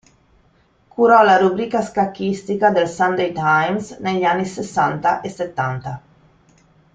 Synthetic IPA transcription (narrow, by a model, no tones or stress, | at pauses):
kuɾɔlaɾubɾikaskakːist̪ikad̪elsand̪ejt̪ajmsneʎanːisesant̪aʔeset̪ːant̪a